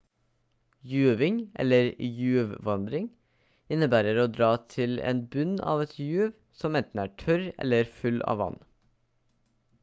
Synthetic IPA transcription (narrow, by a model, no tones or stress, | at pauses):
jʉːʋɪŋʔɛ̰ləɾjʉːʋʋɑnd̪ɾɪŋ | ɪnəbæːɾəɾoːd̪ɾɑːt̪ʰɪlḛːnbʉnʔɑ̰ːʋɛt̪ʰjʉːʋ | sɔmɛnt̪n̩æːʈʰœɾɛ̰ləɾfʉlʔɑ̰ːʋɑ̰n